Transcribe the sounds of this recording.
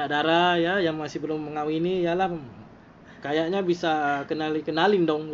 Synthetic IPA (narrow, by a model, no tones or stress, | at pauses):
adaɾajajaŋmasɪhbəlʊmːəŋawinijalah | kajaʔɲabisakənalikənalindɔŋ